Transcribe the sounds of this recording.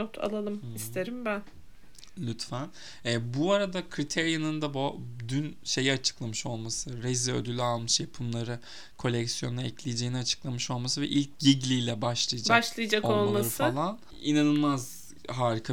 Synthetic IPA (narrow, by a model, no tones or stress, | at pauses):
ot̪ʰa̰lˠalˠɯmist̪eɾimbæn | lʲyt̪fæn | ɛbuaɾad̪akʰɾit̪ʰɛɾjanɯnd̪abod̪ynʃe̞jiat͡ʃʰɯ̥klˠamɯʃo̞lˠmasɯɾeziø̰d̪ylʲalˠmɯʃjapʰɯmlˠaɾɯ | kʰo̞lʲɛcsijo̞nːˠaɛclʲijd͡ʒejiniat͡ʃʰɯ̥klˠamɯʃo̞lˠmasɯvɛ̰ʔilʲc̚ɟiɟlʲijlʲɛbaʃlˠɯjad͡ʒaʃlˠajad͡ʒakolˠmaɾfalˠan | inanɯlˠmaz | ɦaːɾikʰa